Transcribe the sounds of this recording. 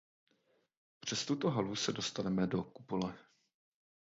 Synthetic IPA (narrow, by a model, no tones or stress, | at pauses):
pr̝̥ɛst̪ut̪oɦalusɛdo̞st̪anɛmɛdoku̥polɛ